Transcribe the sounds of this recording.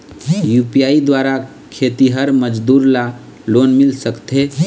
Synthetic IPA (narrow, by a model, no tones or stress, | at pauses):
jupijaid̪waɾa | kʰet̪iɦəɾməd͡ʒd̪uɾla | lonmilsəkt̪e